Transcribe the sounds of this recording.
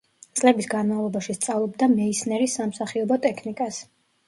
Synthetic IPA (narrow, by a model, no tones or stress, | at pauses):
t̪sʼlɛbisɡanmavlˠɔbaʃist̪sʼavlˠɔbd̪amɛisnɛɾisamsaχiɔbɔt̪ʼɛkʰnikʼas